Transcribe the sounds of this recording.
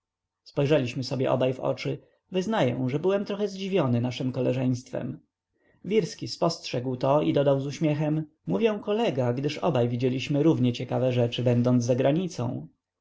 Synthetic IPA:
spɔjʐɛlʲiɕmɘsɔbʲjɛ̰ʔɔ̰bajvɔ̰t͡ʂɘ | vɘznajɛ̰w̃ʐɛbɘwɛmt̪ɾɔxɛzd͡ʑivʲjɔnɘnaʂɘmkɔlɛʐɛj̃st̪fɛ̰m | vʲiɾskʲispɔstʂɛɡwt̪ɔid̪ɔd̪awzuɕmʲjɛxɛm | muvʲjɛw̃kɔlɛɡaɡd̪ɘʂɔ̰bajvʲid͡ʑelʲiɕmɘɾuvɲɛt͡ɕɛkavɛʐɛt͡ʂɘbɛnd̪ɔnd̪zzːaɡɾaɲit̪sɔ̰̃w̃

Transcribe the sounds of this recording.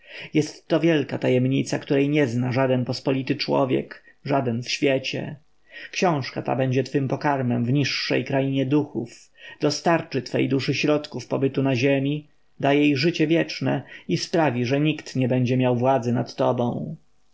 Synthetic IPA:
jɛst̪ːɔvʲjɛlkat̪ajɛmɲit̪sakt̪uɾɛjɲɛznaʐad̪ɛnpɔspɔlʲit̪ɘt͡ʂwɔ̰vʲjɛ̰k | ʐad̪ɛnfɕfʲjɛt͡ɕɛ̰ | kɕɔ̃w̃ʂkat̪a̰bɛɲd͡ʑɛt̪fɘmpɔkaɾmɛmvɲiʂːɛ̰jkɾajiɲɛd̪uxuf | d̪̥ɔst̪aɾt͡ʂɘt̪fɛ̰jd̪uʂɘɕɾɔt̪kufpɔbɘt̪unaʑɛmʲi | d̪ajejʐɘt͡ɕɛvʲjɛt͡ʂnɛispɾavʲiʐɛɲikt̪ɲɛbɛɲd͡ʑɛmʲjawvwad̪zɛnat̪ːɔbɔ̃w̃

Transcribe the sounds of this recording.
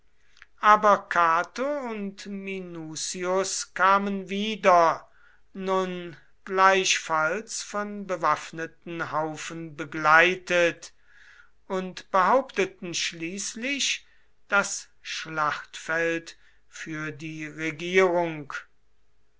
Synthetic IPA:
ʔaːbɐkʰaːtoʊntminuːsiʊskʰaːmənviːdɐ | nʊn | ɡ̥laɪʃfalsfɔnbəvafnətn̩ɦaʊfənbəɡlaɪtət | ʊntb̥əɦaʊptətn̩ʃliːslɪʃ | d̥as | ʃlaχtfɛlt | fyːɐdiːʁeɡiːʁʊŋk

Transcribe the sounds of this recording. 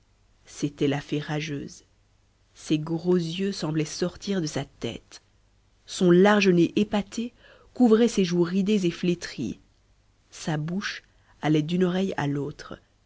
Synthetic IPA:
set̪ɛlafɛʁaʒø̰ːz | seɡʁozjøsɑ̃blɛsɔʁt̪iʁd̪əsat̪ɛ̰t̪ | sɔ̃laʁʒəneʔepat̪ʰe | kuvʁɛseʒuʁid̪ezeflet̪χḭ | sabuʃ | alɛd̪ynɔʁɛja̰lot̪χ

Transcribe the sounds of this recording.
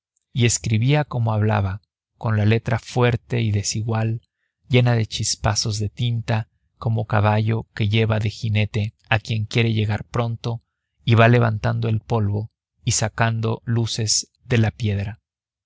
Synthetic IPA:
ie̞skɾiβiako̞mo̞aβla̰βa | ko̞nlale̞t̪ɾafwe̞ɾt̪e̞iðe̞siɣwal | ɟ͡ʝe̞naðe̞t͡ʃispaso̞zðe̞t̪int̪a | ko̞mo̞kaβaʝo̞ke̞ʝe̞βaðe̞xine̞t̪e̞ | akje̞ŋkje̞ɾe̞ʝe̞ɣaɾpɾo̞nt̪o̞ | iβale̞βa̰nt̪and̪o̞e̞lpo̞lβo̞ | isakand̪o̞luse̞z̥ | ðe̞lapje̞ðɾa

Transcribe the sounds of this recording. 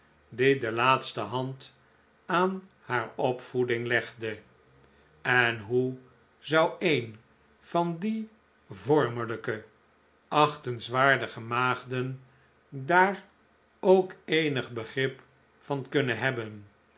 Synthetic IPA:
dɪdəlaːtstəɦɑnt | aːn | haːɹɔpfudɪŋlɛχdə | ɛnɦu | zʌwejn | fɑndi | vɔɹmələkə | ʔɑχtənsʋaːɹdəχəmaːχdən | daːr | owkejnəχbəχrɪp | fɑnkɵnəɦɛbən

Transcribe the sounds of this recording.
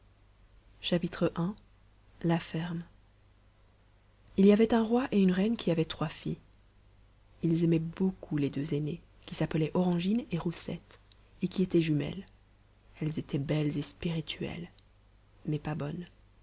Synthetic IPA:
ʃapit̪χəʔɛ̃ | lafɛʁm | iliavɛt̪ɛ̃ʁwaʔeynʁɛnkʲʰiavɛt̪χwafḭ | ilzɛmɛbokʰuled̪øzene | kʲisapəlɛʔɔʁɑ̃ʒineʁusɛ̰t̪ | ekʲiet̪ɛʒymɛ̰l | ɛlzet̪ʰɛbɛlzespiʁit̪ʰɥɛ̰l | mɛpabɔn

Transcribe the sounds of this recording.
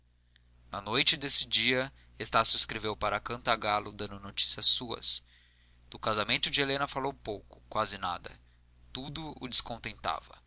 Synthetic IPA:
nɐnojt͡ʃɪd̪esɪd͡ʒiɐ | est̪asjʊiskɾevewpaɾɐkɐ̃t̪aɡalʊd̪ɐ̃nd̪ʊnot͡ʃi̥siɐsuɐ̰s | d̪̥ʊkazamẽnt̪ʊd͡ʒɪelẽnɐfalowpowkʊ̥kwazɪna̰d̪ɐ̰ | t̪ud̪ʊʊ̰d͡ʒɪskõnt̪ẽnt̪a̰vɐ̰

